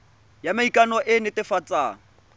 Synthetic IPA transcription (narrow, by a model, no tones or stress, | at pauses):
jamaikʼanɔʔɪnɪtɪfat͡sʼaːŋ̩